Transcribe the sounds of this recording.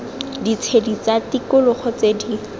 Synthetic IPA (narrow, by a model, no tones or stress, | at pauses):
dit͡sʰedit͡satikʊlʊχɔt͡sedi